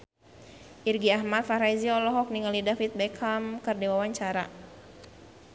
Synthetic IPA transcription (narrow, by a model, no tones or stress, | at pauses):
ʔirɡiahmat̪̚faɾaiziɔlɔɦɔk̚niŋalidafit̪̚bɛkʰamkərdewawaɲt͡ʃaɾa̰